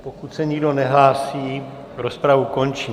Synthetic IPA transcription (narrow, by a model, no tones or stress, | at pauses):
pokut̪sɛɲiɡdo̞nɛɦlaːsiː | ɾospɾavuko̞nt͡ʃiː